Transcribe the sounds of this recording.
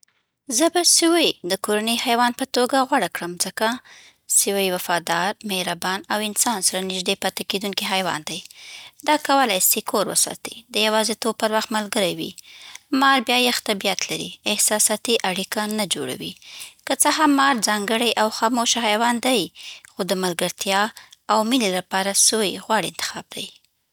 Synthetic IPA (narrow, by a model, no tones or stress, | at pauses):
zəbasiwajd̪əkoɾanəjhajwɑnpət̪oɡaɣwaɽakɽəmzəka | siwajwafɑd̪ɑɾmehɾabɑnawɪnsɑnsaɾanɪʒd̪epat̪aked̪unkiɦajwɑ̰nd̪ajd̪ɑkawəlajsekʰoɾwə̰sɑ̰t̪id̪əjawɑzet̪ob̚pəɾwaxt̪malɡəɾajwḭmɑɾbjɑjaxt̪abijat̪laɾḭɪhsɑsɑt̪iʔaɽikanad͡ʒo̰ɽa̰wḭkət͡səɦamːɑɾzɑŋɡəɽajʔawxɑmoʃahajwɑnd̪ajxod̪əmalɡəɾt̪jɑawmilelapɑɾasojɣwaɽiɪnt̪ɪ̥xɑb̚d̪̥a̰j